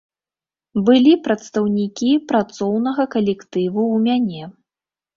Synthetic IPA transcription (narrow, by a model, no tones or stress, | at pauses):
bɨlʲipɾɐt̪st̪ɐwnʲikʲipɾat̪sɔwnɐɣɐkɐlʲɛkt̪ɨvuːmʲanʲɛ